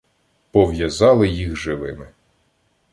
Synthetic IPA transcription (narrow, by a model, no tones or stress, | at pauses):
pɔʋjɐzɑlˠɪjixʒɪʋɪmɪ